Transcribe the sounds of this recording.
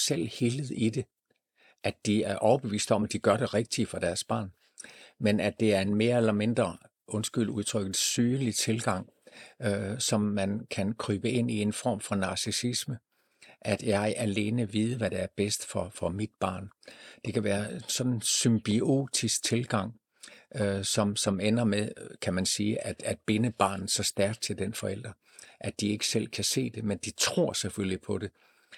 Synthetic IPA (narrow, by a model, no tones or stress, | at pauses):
sel̰hilð̞̩ˠid̥e̝ | ʔæd̥iæɐʔɒʊɐb̥e̝ʋḭːsd̥ɒ̽mæd̥iɡ̥ɶɐɾ̥e̝ʁeɡ̥̚d̥ifɒ̽d̥æɐsb̥ɑ̈ːn | menæd̥e̝æɐe̝nme̝ːɐelɐme̝nd̥ʁɐ | ʔɔ̽nsɡ̥yl̰duð̞ˠt͡sʰʁœɡ̥ð̩ˠsyːnlit͡sʰe̝lɡ̥ɑ̈ŋ̰ | sɒ̽mːænkʰænkʰʁyːb̥əe̝n̰ie̝nfɒ̰ːmfɒnɑ̈sisismə | ʔæd̥jɑ̈ɪʔæle̝ːnəʋiːð̞ˠəʋæɾ̥eæɐb̥esd̥fɒ̽fɒ̽mid̥b̥ɑ̰̈ːnd̥e̝kʰæʋæːɐensɒ̽n̥n̩symb̥io̝̰ːd̥ʰisɡ̥̚t͡sʰe̝lɡ̥ɑ̈ŋ̰ | sɒ̽msɒ̽menɐmeðˠkʰæmænsiːʔæd̥æd̥̚b̥e̝nəb̥ɑ̰̈ːnð̩ˠsɒ̽sd̥æɐɡ̥d̥̚t͡sʰe̝ld̥enfɒ̽el̰d̥ʁɐ | ʔæd̥ie̝ɡ̥ə̥sel̰kʰæse̝̰ːd̥e̝mend̥it͡sʰʁo̝ɐ̰seføllipʰɒ̽d̥e̝